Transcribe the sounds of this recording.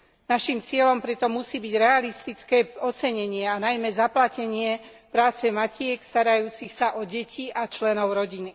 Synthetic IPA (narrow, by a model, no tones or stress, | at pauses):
naʃimt͡sɪɛlɔmpɾɛt̪ɔmusiːbiɟɾɛalist̪it͡skɛːɔt͡sɛɲɛɲɪɛanajmɛzaplacɛɲɪɛpɾaːt͡sɛmacɪɛkst̪aɾajuːt͡sixsaʔɔɟɛcʰiʔat͡ʃlɛnɔʊɾɔɟini